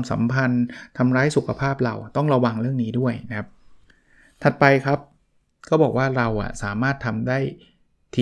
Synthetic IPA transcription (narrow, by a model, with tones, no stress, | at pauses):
msa̰˩˦mpʰa˧nt̪ʰa˧mɾaː˦˥jsu˨˩kʰa˧pʰaː˥˩p̚ɾa˧wt̪ɔ˥˩ŋɾa˧wa˧ŋɾɯ˥˩əŋniː˦˥du˥˩əjna˦kʰa˦˥p̚ | t̪ʰa˨˩t̪̚pa˧jkʰɾa˦˥p̚ | kɔː˥˩bɔː˨˩k̚waː˥˩ɾa˧wʔa̰˨˩saː˩˦maː˥˩t̪ʰːa˧mdaː˥˩j | t̪ʰiː˧